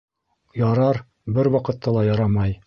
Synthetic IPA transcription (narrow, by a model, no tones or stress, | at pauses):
jɑɾɑɾ | bɘɾwɑqɤ̆t̪ːɑlˠɑjɑɾɑmɑj